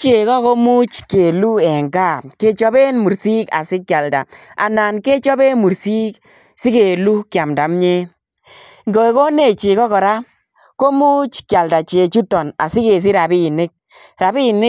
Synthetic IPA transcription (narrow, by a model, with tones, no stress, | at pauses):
t͡ʃe˨kɔ˦ko˦mu˦t͡ʃke˨lu˦ɛ˨ŋɡa˦˨ke˦t͡ʃɔ˦be˦nmu˨ɾsi˦ka̰˨sɪ˦kːja˨lda̰˨a̰˨na˨nke˦t͡ʃɔ˦be˦mu˨ɾsi˦k | sɪ˦ke˨lu˦kja˨mda˨mɲe˦ | ŋɡo˨e˨ko˦ne˦˨t͡ʃi˨kɔ˦kɔ˨ɾa˦ | ko˦mu˦t͡ʃkja˨lda˨t͡ʃe˨t͡ʃu˦tɔ˨na̰˨sɪ˦ke˨s̬i˦ɾa˨bi˦nɪ˦k̚ | ɾa˨bi˦nɪ˦